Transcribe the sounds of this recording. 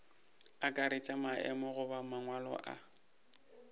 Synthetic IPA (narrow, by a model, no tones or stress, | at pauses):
akʼaɾɪt͡ʃʼamaʔɛ̰mɔɣʊbamaŋwalɔ̰ʔa̰